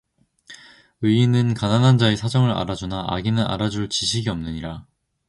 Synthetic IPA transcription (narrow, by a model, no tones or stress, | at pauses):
ɯinɯnkananɦand͡ʑaesʰad͡ʑʌŋɯɾa̰ɾad͡ʑunaʔa̰ɡinɯɾa̰ɾad͡ʑuɭt͡ɕiɕʰiɡiʌmnɯɲiɾa